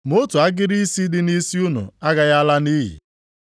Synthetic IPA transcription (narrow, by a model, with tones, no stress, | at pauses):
mo˦tu˨a˦ɡɪ˦ɾi˦si˦dɪ˦ni˦si˦u˦nṵ˨a˦ɡa˦ɣa˦la˦ni˦ɦḭ˨